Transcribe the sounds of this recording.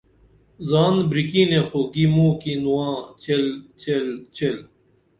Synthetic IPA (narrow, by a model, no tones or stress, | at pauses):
zaːnbɾikinẽxoɡimũːkinuwãːt͡ɕelt͡ɕelt͡ɕel